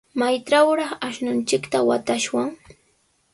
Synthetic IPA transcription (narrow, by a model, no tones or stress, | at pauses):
majʈ͡ʂawɾɑχaʃnʊnt͡ʃɪkt̪awat̪aʃwaŋ